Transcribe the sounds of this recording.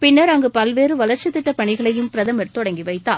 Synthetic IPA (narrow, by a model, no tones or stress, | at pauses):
pɪnːɐɾɐŋɡɯpɐlʋeːrɯʋɐlɐɾt͡ʃːɐt̪ːɪʈːɐpːɐɳɪɣɐɭɐjɯmpɪɾɐðɐmɐɾt̪ɔɽɐŋɡiʋɐɪt̪ːaː